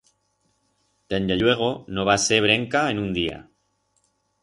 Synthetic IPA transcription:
d̪̥end̪eʎwe̞ɣ̞onoβaseβ̞ɾe̞ŋkaenũnd̪ia̰

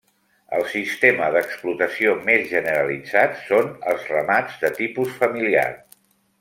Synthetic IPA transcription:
ə̰lˠsist̪eməðəksplut̪əsiomezʒənəɾəlid͡zat̪sonəlˠzrəmad͡zd̪ət̪ipusfəmilia̰r

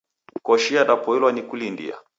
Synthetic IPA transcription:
kɔʃiadapɔilwanikulindḭa̰

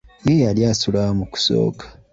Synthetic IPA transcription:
jejaljasulamuku̥so̰ːkḁ

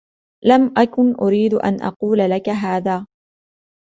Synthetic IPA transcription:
lamʔakʊnʔʊɾiːd̪ʔa̰nʔɑ̰quːlalakaɦaːðaː

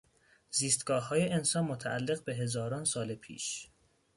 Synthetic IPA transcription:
ziːst̪ɡ̥ɒːɒːjeʔensɒnmot̪ʰæʔælːe̞ɣbe̞ɦe̞zɒːɾɒːnsɒːlepʰḭːʃ

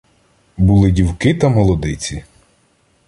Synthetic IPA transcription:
bulˠɪdʲiwkɪt̪ɐmɔlˠɔd̪ɪt͡sʲi

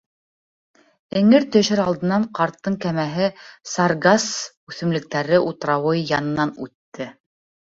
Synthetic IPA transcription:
ɘ̆ŋɘɾt̪ɵ̆ʃɘɾɑlˠd̪ɤ̆nɑɴqɑɾt̪ːɤŋkæmæɦɘsɑrɡas | ʉθɘ̆mlɘ̆k̚t̪æɾɘʔut̪̆ɾɑwɤjɑnɤ̆nɑnʉ̰t̪ːɘ

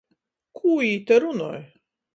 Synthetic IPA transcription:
kʰujit̪ɛɾuno̰j

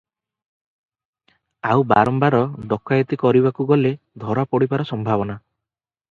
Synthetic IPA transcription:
awba̰ɾɔmbaɾɔɖɔkajɔt̪ikɔɾibakuɡɔle | d̪ʱɔɾapɔɽibaɾɔsɔmbʱabɔna

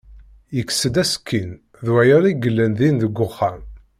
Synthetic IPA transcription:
jəksəd̪æsə̥kʰːin | ðwæjəɾiɡəlːənðinðəɡʷːʊχːæm

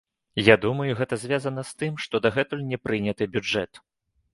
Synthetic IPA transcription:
jad̪umɐjuɣɛt̪ɐzʲvʲazɐnɐst̪ɨmʂt̪ɔd̪ɐɣɛt̪ulʲnʲɛpɾɨnʲɐt̪ɨbʲud͡ʐɛt̪

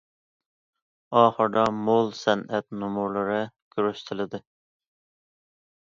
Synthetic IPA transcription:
ɑːχəɾd̪ɑmolˠsɛnɛt̪̚numuɾlˠɨɾɨɡ̥ʲyɾyst̪ʰɪlɪd̪ɪ

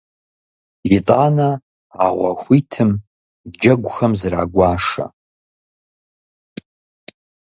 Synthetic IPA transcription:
itʼaːnɐ | aʁʷɐxʷitʰɨm | d͡ʒɐɡʷʼxɐmzra̰ːɡʷaːʂɐ̰

